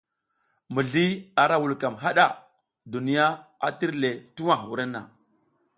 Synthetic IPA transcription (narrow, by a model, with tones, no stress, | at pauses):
mu˨ɮi˦a˨ɾa˨wu˨lka˨mɦa˦ɗa˦˨ | du˨ni˦ja˦a̰˨ti˦ɾle˨tu˦wa˨wṵ˨ɾa˦nːa̰˨